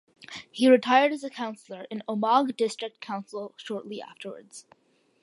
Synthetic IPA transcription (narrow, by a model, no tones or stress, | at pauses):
hiɹɨtʰaɪə˞ɾɨzɨkʰãʊ̃nsl̩ˠə˞ʔɨ̃noʊmɑɡdɪstɹ̥ɨk̚t̚kʰãʊ̃nsl̩ˠʃɔɹʔˡliʔæ̰ftə˞wə̰˞dz̥